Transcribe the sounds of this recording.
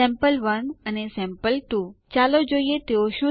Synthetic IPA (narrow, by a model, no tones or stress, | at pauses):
ɛ̃mpəlʋənənesɛ̃mpəlʈut͡ʃalod͡ʒoiet̪eoʃũ